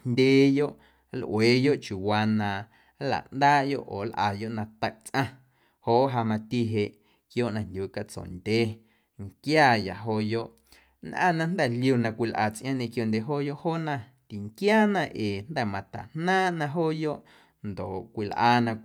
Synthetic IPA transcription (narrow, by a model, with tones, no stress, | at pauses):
nd̪ʲeː˧jo˦ʔ | lʔweː˨jo˦ʔt͡ʃu˨waː˧nã˨˦ | la̰˨ʔnd̪aː˦jo̰˦ʔoː˨lʔa̰˨jo˦ʔnã˧t̪ə˧ʔt͡sʔã˧ | hoː˦ʔɦa˧mã˧t̪i˧ɦe˧ʔ | kjoː˦ʔnã˧ndʲju˨e˨ka˧t͡sõ̰˨ndʲeː˦ | ŋkjaː˦˨ja̰˨ʔɦoː˧jo˦ʔ | nʔã̰˦˨nã˧nd̪ɛ˨lju˧nã˧kʷi˧lʔa̰ː˨t͡sʔj̃ã˦ɲẽ˧kjo˧˨ndʲe˨ɦoː˦˨jo˦ʔhoː˦nã˧˨ | t̪i˨ŋkjaː˦˨nã˧ʔeː˨nd̪ɛ˦˨mã˨t̪a̰˨nnãː˦ʔnã˧ɦoː˦jo˦ʔ | nd̪o˨kʷi˨lʔaː˧˨nã˧